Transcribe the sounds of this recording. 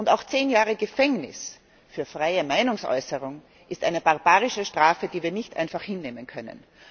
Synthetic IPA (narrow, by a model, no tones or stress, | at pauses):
ʔʊntaʊxt͡seːnjaːʁəɡəfɛŋnɪ̰s | fyːɐfʁ̥aɪəmaɪnʊŋsʔɔ̰ʏsəʁʊŋ | ʔɪstʔaɪnəb̥aʁbaːʁɪʃəʃtʁ̥aːfədiːviːɐnɪçtʔã̰ɪnfaχhɪnːeːmənkʰœnə̰n